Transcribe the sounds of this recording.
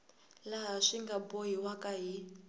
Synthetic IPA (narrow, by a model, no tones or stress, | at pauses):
laɦaʂiŋɡaboɦiwakʼaɦi